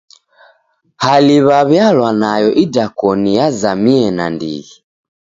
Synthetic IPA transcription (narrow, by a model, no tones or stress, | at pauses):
haliβaβjalwanajɔʔidakɔnijazamiɛna̰ndḭɣi